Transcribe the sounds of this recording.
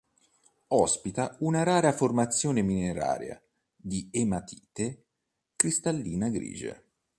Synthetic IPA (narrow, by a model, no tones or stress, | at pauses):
ɔspit̪aunaɾaːɾaformat̪sːjɔːnemineɾa̰ːɾja̰ | d̪iemat̪ʰiːt̪e | kɾist̪alːiːnaɡɾḭːd͡ʒḛ